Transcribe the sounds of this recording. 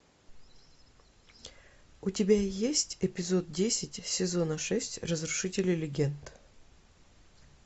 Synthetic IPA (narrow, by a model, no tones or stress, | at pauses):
ʊtʲɪbʲajesʲtʲɪpʲɪzo̞t̪̚dʲesʲɪtʲsʲɪzo̞nəʂɛsʲtʲrəzɾʊʂɨtʲɪlʲɪlʲɪɡʲent̪